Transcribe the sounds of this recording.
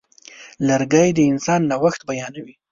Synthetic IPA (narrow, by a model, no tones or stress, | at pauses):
laɾɡajd̪əɪnsɑnːawaxt̪̚bajɑnawi